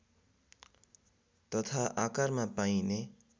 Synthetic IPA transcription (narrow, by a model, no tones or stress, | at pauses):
t̪ʌt̪ʰaʔakaɾmapaĩne